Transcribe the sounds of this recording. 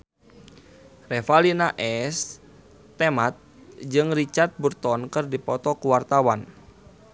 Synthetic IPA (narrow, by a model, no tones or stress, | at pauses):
rɛfalinaʔɛs | t̪ɛmat̪̚ | d͡ʒɨŋrit͡ʃart̪̚burt̪ɔnkɨrdipɔt̪ɔkuwart̪awan